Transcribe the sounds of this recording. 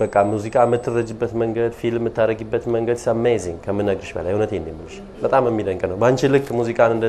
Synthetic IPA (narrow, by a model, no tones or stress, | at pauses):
bəkʼːammuzikʼamːɨt̪ʰːɨrːəd͡ʒɨbːət̪məŋɡəd̪filmːɨt̪ːaɾəɡɨbːət̪məŋɡəd̪səmːajziŋkʰəmːɨnːəɡɨʃbə̰la̰jhunət̪ʰend̪imɨlʃ | bət̪ʼaməmːid̪əŋkʼnəwbəant͡ʃilɨk̚t̪muzikʼanɨnd̪